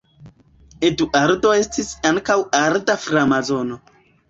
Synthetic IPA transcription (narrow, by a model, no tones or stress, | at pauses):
eduʔaɾdo̞e̞stisaŋkawaɾdafɾamazo̞no̞